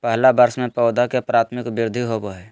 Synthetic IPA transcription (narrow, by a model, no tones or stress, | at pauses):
pəɦlabəɾsmẽpɔʊd̪akepɾaːt̪ʰmɪkbɪɾd̪ʱiɦoboɦɛ